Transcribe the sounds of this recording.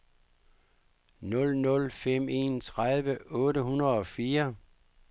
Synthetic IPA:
nɔ̽lnɔ̽lfem̰e̝̰ːnt͡sʰʁaðˠʋəʔɔ̽ːɾəɦunɐðˠɒ̽fiːɐ

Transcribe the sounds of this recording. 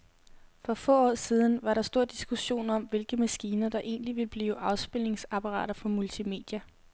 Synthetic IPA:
fɒ̽fɔ̰ːɒ̰ːsiːð̞ˠn̩ʋɑ̈ɾɑ̈sd̥o̝ɐ̰d̥isɡ̥uɕo̝̰ːnɒ̽mʋe̝lɡ̥əmæsɡ̥iːnɐd̥ɑ̈ʔe̝̰ːnliʋe̝ləb̥liːʊʔɑ̈ʊsb̥e̝l̰ne̝ŋsɑ̈pʰɑ̈ʁɑ̰̈ːɾ̥ɐfɒ̽mult͡sʰime̝̰ːd̥jæ

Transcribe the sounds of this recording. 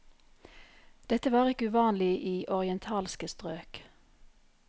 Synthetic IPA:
d̪̥ɛt̪əʋɑːʁɪkəʉːʋɑːnlɪʔiːʔɔʁɪɛnt̪ʰɑːlskəst̪ʁøːk

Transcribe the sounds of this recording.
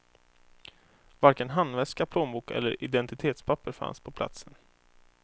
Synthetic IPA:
vaɾkənɦanːvɛskapʰloːnmbuːkɛ̰lːəɾɪd̪ɛnt̪ɪt̪ʰeːt̪spʰapːəɾfa̰nspʰɔpʰla̰t̪sən

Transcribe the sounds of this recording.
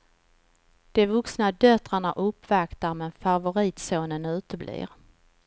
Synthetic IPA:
d̪̥ɛvɵksnad̪œt̪ɾaɳaʔɵpːvakt̪aɾmɛnfavʊɾiːt̪soːnənʉ̟ːt̪əblḭːɾ

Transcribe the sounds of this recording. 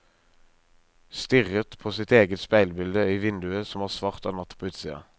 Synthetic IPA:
st̪ʏʁət̪pʰoːsɪt̪eːɡət̪spæɪlbɪld̪əiːʋɪnd̪ʉəsɔmæːʁsʋɑːʁt̪ɑnɑt̪pʰoːʉːt̪siːɑ̰

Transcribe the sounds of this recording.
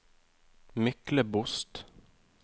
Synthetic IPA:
mʏkləbʊst̪

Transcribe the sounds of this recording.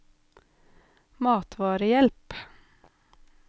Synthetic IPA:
mɑːt̪ʰʋɑːɾəjɛlp

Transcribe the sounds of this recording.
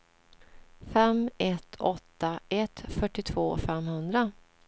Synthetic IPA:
fɛmɛt̪ʰɔt̪ːaɛt̪fœʈːɪt̪ʰvoːfɛmhɵnd̪ɾa

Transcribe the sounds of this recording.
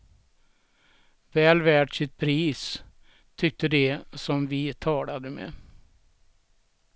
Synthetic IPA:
vɛːlvæːʈʂɪt̪̚pʰɾiːs | t̪ʰʏk̚t̪əd̪ɛsɔmvɪt̪ʰɑːlad̪əmɛ̰

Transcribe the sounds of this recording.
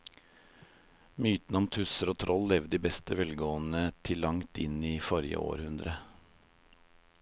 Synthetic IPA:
myːt̪n̩ɔmt̪ʰʉsəɾoːt̪ʰɾʔɔlːɛʋd̪iːbɛst̪əʋɛlɡoːnət̪ʰɪlːɑŋt̪ɪ̰niːfɔɾɪə̰o̰ːɾhʉnd̪ɾə

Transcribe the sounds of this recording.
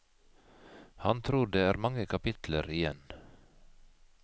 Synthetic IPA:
hɑnt̪ʰɾuːɖ̪eːæːɾmɑŋəkʰɑpɪt̪ləɾɪjɛn

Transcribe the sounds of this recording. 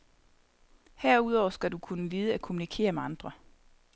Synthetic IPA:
hæɐ̰uð̞ˠɒʊ̰ɐsɡ̥ædukʰunəʋiːð̞̩ˠəækʰo̝munikʰe̝̰ːɐmeɑ̈nd̥ʁɐ

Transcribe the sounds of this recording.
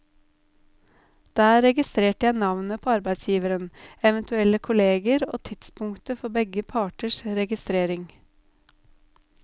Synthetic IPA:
d̪̥æːɾɛɡɪst̪ɾeːʈəjæɪnɑʋnəpʰoːɑɾbæɪt̪sjiːʋəɾənɛʋɛnt̪ʉɛləkʰʊleːɡəɾo̰ːt̪ʰɪt̪spʊŋt̪əfɔbɛɡəpʰɑːʈəʃɾɛɡɪst̪ɾeːɾɪŋ

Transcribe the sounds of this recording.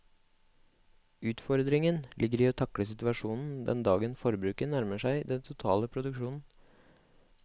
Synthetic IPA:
ʉːt̪fɔɾd̪ɾɪŋənlʔɪɡəɾiːoːt̪ʰɑkɽəsɪt̪ʉɑʂuːnn̩d̪ɛ̰nd̪ɑːɡənfɔɾbɾʉːkənæɾməʂæɪd̪ɛnt̪ʰʊt̪ʰɑ̰ːləpʰɾʊd̪ʉkʃuːnn̩

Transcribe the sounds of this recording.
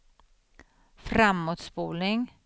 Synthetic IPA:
fɾamːuːt̪spuːlnɪŋ

